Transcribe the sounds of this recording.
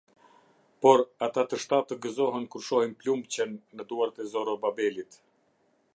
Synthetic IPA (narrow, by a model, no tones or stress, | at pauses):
pɔɾat̪at̪əʃt̪at̪əɡəzɔɦɛnkuɾʃɔhɛnplumbt͡ɕɛnːəd̪uaɾt̪ɛzɔɾɔbabɛlit̪